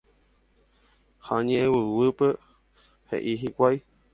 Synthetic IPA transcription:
haɲẽʔẽwɨwɨpe | hḛʔiɦikʷaj

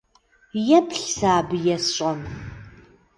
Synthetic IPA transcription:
jɛpʰɬsaːbjɛsɕʼɐn

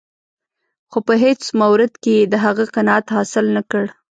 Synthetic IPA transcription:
xopəɦet͡smawɾɪd̪kejed̪əɦaɣəqɪnɑat̪hɑsɪlnakəɽ

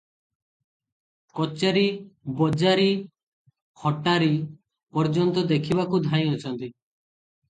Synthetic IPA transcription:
kɔt͡ʃaɾibɔd͡ʒaɾi | hɔʈaɾi | pɔɾd͡ʒɔnt̪ɔd̪ekʰibakud̪ʱãj̃ɔt͡ʃʰɔnt̪i

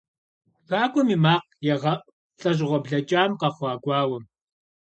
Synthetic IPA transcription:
kaːkʷʼɔmiːmaːq̚ | jɛʁɐʔ | ɬʼɐʑ̬ʁʷɔbɮɐt͡ʃʼaːmqɑχʷɑːɡʷɑːwɐm

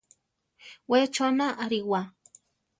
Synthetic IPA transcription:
wet͡ʃonaʔːɾiwa

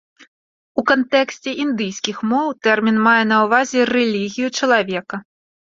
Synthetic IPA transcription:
ukant̪ɛksʲt͡sʲɛʔind̪ɨjsʲkʲixmɔwt̪ɛrmʲinmajɛn̪ɐwvazʲɛrɛlʲiɣʲijut͡ʂɐlˠavʲɛkɐ

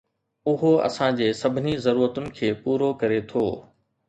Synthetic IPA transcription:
ʊɦoɐ̰sãd͡ʑeːsɐbʱɪnizɐɾuːɾət̪ʊnɪ̆kʰeːpuːɾokɐɾet̪ʰoː

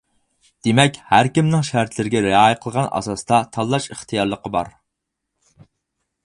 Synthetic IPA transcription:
d̪̥emɛkʲhæɾkʲimnɪŋʃæɾt̪ʰlɪɾɪɡʲɛɾeɑjəqʰəlˠəʁɑnʔɑ̰sɑsd̪ɑt̪ʰɑlˠːɑʃəχt̪ʰijɑɾlˠəqʰəbɑ̰ɾ

